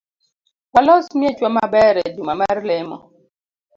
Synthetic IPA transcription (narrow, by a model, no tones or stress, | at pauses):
walɔsmjɛt͡ʃwamabɛɾɛdumamaɾlɛmɔ̰